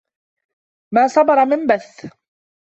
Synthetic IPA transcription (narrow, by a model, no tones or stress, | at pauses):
maːsˤɑbɑɾˤɑmɪmbaθ